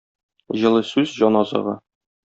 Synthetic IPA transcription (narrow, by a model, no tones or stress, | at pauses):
ʑɤ̆lˠɤsʉzʑɒnɒzɤ̰ʁɤ̰